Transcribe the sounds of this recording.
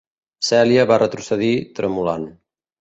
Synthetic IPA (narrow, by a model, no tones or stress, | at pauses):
sɛljəβarət̪ɾusəðit̪ɾəmulan